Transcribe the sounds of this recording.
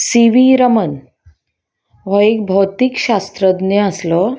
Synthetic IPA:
siʋiɾəmən | ʋɔek̚bʱɔwt̪ikɕast̪ɾəd̪nəəslɔ

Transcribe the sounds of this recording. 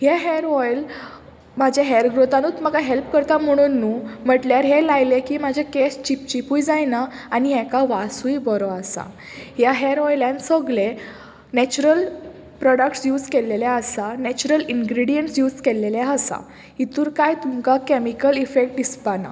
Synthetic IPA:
hjaɦɛɾɔjl | mad͡ʑʱjaɦɛɾɡɾot̪anuːt͡s̪məɡaɦelpkəɾt̪am̤əɽ̃unːuːm̤əʈljaɾɦelajlekiːmad͡ʑʱekest͡ɕip̚t͡ɕipujd͡zajnaaniɦɛ̃kaʋasujbɔɾɔasa̰ | ɦjaɦɛɾɔjlãnsəɡle | nɛt͡ɕuɾəl | pɾɔɽək̚ʈsjuːd͡zkeleljaəsanɛt͡ɕuɾəlinɡɾiɽijəɳʈsjuːd͡zkeleljaəsa̰ | it̪uːɾkajt̪umkakemikəlifek̚ʈ̚dispana̰

